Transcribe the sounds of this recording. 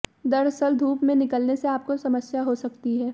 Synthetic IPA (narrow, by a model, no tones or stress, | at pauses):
d̪ɐɾsəld̪ʱuːpmẽnɪkəlneseaːp̚kosɐməsjaɦosɐkt̪iɦɛː